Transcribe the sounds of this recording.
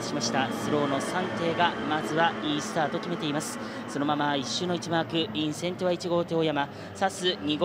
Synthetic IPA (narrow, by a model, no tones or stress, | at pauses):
ɕimaɕi̥t̪asɨɾo̞ːno̞sãnt̪e̞ːɡamazɨβaiːsɨ̥t̪aːt̪o̞kʲime̞t̪e̞imasɨ̥ | so̞no̞mamaiɕːɨːno̞it͡ɕimakɯ̟ĩɰ̃sẽ̞nt̪o̞βait͡ɕiɡo̞ːt̪eːjama | sasɨɲ̟iɡ